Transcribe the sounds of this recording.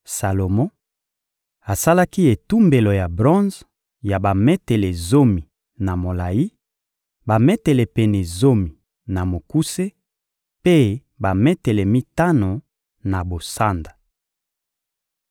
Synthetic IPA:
sa˨lo˨mɔ̃˦ | a˨sa˦la˦ki˦e˨tu˦mbe˨lo˨ja˨bʁɔ̃˦z | ja˨ba˨mɛ˦tɛ˨lɛ˨zo˦mi˨ | na˨mo˨la˨ji˦ | ba˨mɛ˦tɛ˨lɛ˨pɛ˨nɛ˨zo˦mi˨ | na˨mo˨ku˦se˦ | pe˦ | ba˨mɛ˦tɛ˨lɛ˨mi˦ta˦no˨ | na˨bo˨sa˦nda˨

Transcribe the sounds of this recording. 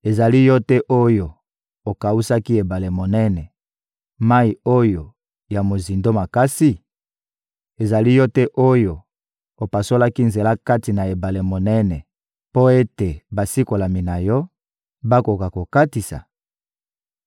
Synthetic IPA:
e˨za˨li˦jɔ˦tɛ˦ʔo˦jo˨ | o˨ka˨u˦sa˦ki˦e˨ba˨le˨mo˨nɛ˦nɛ˨ | ma˦i˨o˦jo˨ | ja˨mo˨zi˨ndo˦ma˨ka˦si˦ | e˨za˨li˦jɔ˦tɛ˦ʔo˦jo˨ | o˨pa˨so˦la˦ki˦nze˨la˦ka˦ti˨na˨e˨ba˨le˨mo˨nɛ˦nɛ˨ | po˦e˦te˨ba˨si˦ko˨la˨mi˨na˨jɔ˦ | ba˦ko˨ka˨ko˨ka˦ti˨sa̰˨

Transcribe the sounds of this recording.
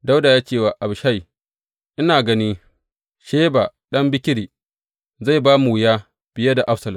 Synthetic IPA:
da˦wda˨jaː˦t͡ʃeː˦˨wa˨ʔa˨bʃa˦j | ʔɪ˦naː˨ɡɐ˦niː˦ | ʃeː˦ba˨ɗɐ˦mbɪ˦kʲɪ˦ɽiː˨ | za˦˨jbaː˦mu˨wɪ˨jaː˦ | b̥ɪ˨ja˦da˨ʔa˦ɸsɐ˨lɐ˨m

